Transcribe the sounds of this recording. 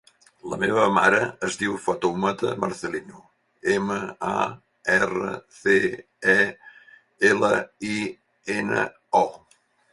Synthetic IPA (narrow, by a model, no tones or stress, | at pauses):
lə̰meβəma̰ɾəːzd̪iwfɔt̪omət̪əməɾθəlinu | eməa̰ | ɛrə̰θe | ɛ | eləi | enə̰ | ɔ